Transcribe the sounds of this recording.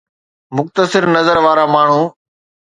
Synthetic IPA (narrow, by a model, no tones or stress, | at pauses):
mʊxt̪əsɪɾnəzəɾʋaːɾaːmaːɳ̤ũː